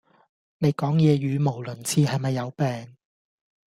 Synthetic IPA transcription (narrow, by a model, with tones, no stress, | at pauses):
ne˨˧jkɔː˨˥ŋjɛː˨˧jyː˨˧mo˨˩wlɵ˨˩nt͡sʰiː˨˧hɐ˨jmɐ˨jːɐ˨˧wpɛː˨ŋ